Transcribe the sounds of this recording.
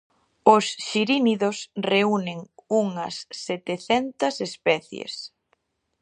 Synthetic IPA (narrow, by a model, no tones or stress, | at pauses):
ʊsʃiɾiniðosreuneŋuŋɐ̰sːet̪eθɛnt̪ɐsespɛθjḛs